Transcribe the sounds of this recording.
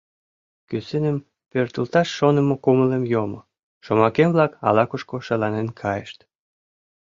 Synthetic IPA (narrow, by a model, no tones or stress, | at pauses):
kysenəm | pørt̪əlt̪ɑʃːonəmokoməlemjomo | ʃomɑkemβlɑkɑ̰lɑkuʃkoʃəlɑnenkʰɑjəʃt̪